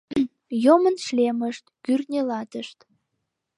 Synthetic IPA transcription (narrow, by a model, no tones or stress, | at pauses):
jomənʃleməʃt̪kyrnʲelɑt̪əʃt̪